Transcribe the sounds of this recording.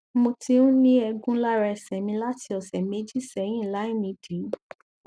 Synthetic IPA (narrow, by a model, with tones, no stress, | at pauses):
mo˧ti˧o˦nĩ˦ɛ˧ɡũ˦la˦ɾɛ˧˨sɛ˨mĩ˧la˦ti˧ɔ˨sɛ˨me˨˦d͡ʒi˦˨sɛ˨j̃ĩ˦˨la˨˦i˦˨mĩ˧˦de˨˦